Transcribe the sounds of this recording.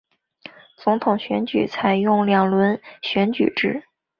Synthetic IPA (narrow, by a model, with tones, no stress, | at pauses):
t͡sʊ˧˥ŋt̪ʰʊ˨˩ŋɕɥɛ˧˥nt͡ɕy̰˨˩t͡sʰa˨˩ɪjʊ˥˩ŋljɑ˨˩ŋlwə˧˥nɕɥɛ˧˥nt͡ɕy̰˨˩ʈ͡ʂɻ̩˥˩